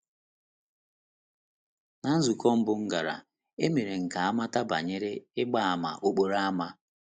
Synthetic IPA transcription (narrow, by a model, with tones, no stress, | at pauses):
na˨n̩˦zu˨kɔ˦m̩˦bʊ˦ŋ̩˦ɡa˨ɾa̰˨ | e˦me˨ɾe˨ŋ̩˨ka˨a˦ma˦ta˦ba̰˨ɲe˦ɾe˦ɪ˦ɡ͡ba˦a˨ma̰˨ʔo˦k͡po˦ɾa˦a˦ma˦